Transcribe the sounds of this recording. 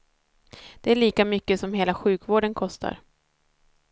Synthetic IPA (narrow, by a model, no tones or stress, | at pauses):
d̪̥ɛæɭiːkamʏkːəsɔmheːlaɧʉ̟ːkvoːɖənkʰɔst̪ʰa̰ɾ